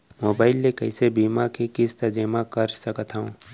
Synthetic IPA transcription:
moːbaːɪlːekɐɪsebiːmakekɪst̪ɐd͡ʒeːmakɐɾsəkət̪ɦəũː

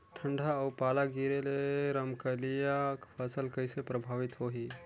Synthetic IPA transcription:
ʈʰəɳɖʱaəpaːlaɡiɾeleɾəmkəlijakpʰəsəlkəɪsepɾəbʱaːʋɪt̪ɦoɦi

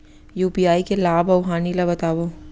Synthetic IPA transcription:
juːpiaːikelaːbɐʊɦaːnilabɐt̪aːʋo

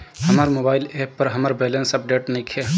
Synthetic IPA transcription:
hɐmaɾmobaːɪleːpːəɾɦɐmaɾbeːlensɐp̚ɖeːʈnɐ̃jkʰe

